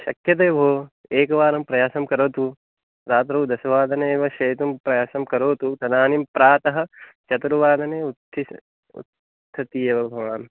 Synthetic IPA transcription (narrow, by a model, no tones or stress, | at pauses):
ʃɐ̰kjɐd̪eːbʱoː | eːkɐʋaːɾɐmpɾɐjaːsɐmkɐɾoːt̪u | ɾaːt̪̬ɾɐud̪ɐsɐʋaːd̪ʱɐneːʋɐʃɐːt̪umpɾɐjaːsɐmkɐɾoːt̪ut̪ɐnaːnimpɾaːt̪ɐɦɐ̆ | t͡ʃɐt̪ɾuʋaːd̪ɐneːut̪ʰːi | ṵt̪ʰː | ɐt̪ijeʋɐbʱɐʋaːn